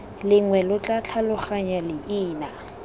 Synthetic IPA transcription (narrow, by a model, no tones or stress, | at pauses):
lɪŋwɛlʊt͡ɬʼat͡ɬʰalʊχaɲalɪʔiːna